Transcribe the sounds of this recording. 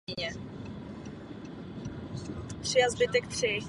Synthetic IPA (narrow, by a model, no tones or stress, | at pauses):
ɲɛ | t̪ʂɪjazbɪt̪ɛkt̪ʂɪ